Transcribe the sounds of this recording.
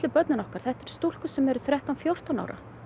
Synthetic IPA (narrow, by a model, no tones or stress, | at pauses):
lɪpœt̪nɪnɔhkaɾ̥θɛht̪ɛɾ̥st̪ul̥kʏsɛmɛɾʏθɾjɛht̪awnfjowr̥t̪ana̰wɾʔa̰